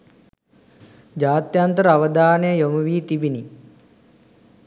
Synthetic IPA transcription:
d͡ʒaːt̪jant̪əɾəaʋəd̪aːnəjəjoməʋiːt̪ibini

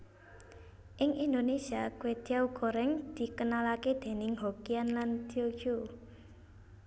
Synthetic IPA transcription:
ʔɪŋʔind̪onesiakwed̪̥iauɡ̥o̤ɾɛŋd̪̥i̤kənalaked̪̥e̤nɪŋɦokianland̪̥iokjo

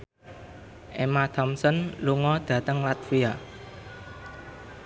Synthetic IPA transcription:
ʔemat̪ʰɔmsɔnluŋɔd̪̥ä̤t̪əŋlat̪̚fia

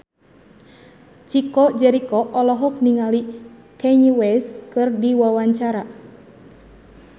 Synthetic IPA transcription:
t͡ʃikɔd͡ʒɛɾikɔʔɔlɔɦɔk̚niŋali | kɛɲiwɛskɨrdiwawaɲt͡ʃaɾa

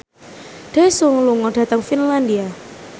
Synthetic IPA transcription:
ɖ̥esuŋluŋɔɖ̥a̤t̪aŋfinlandia

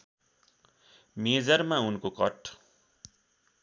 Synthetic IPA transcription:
med͡zʌrmaunkokʌʈ

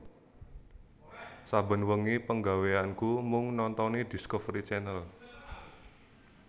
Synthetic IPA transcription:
sabə̤nwəŋipəŋɡaweankumʊŋnɔnt̪ɔnid̪̥i̤skɔfɾit͡ʃɛnəl

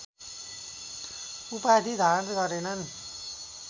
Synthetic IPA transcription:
upad̪ʱid̪ʱantɡʌɾenʌn

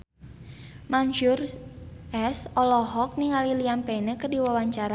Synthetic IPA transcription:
manʃurʔɛsɔlɔɦɔk̚niŋaliliampɛnəkərdiwawaɲt͡ʃaɾa

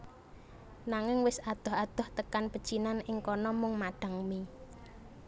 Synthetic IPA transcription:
naŋɪŋwɪsad̪̥ɔ̤had̪̥ɔ̤ht̪əkanpəd̥ʒ̥inanɪŋkɔnɔmʊŋmaɖ̥a̤ŋmi

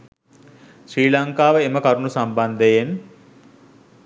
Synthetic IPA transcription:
sɾiːlaŋkaːʋəeməkaɾunusamband̪əjen

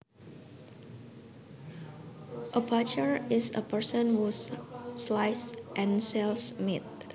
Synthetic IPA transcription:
ʔəbat͡ʃəɹɪsə̰pəɹsə̃nhusslajsʔɛ̃nsɛlsmit̪̚

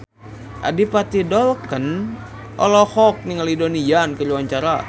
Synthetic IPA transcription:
ʔa̰dipat̪idɔlkən | ʔɔ̰lɔhɔk̚niŋalidonijankəɾuwaɲt͡ʃaɾa

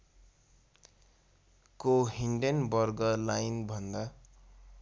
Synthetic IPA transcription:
koɦiɳɖenbʌrɡʌlajnbʱʌnd̪a

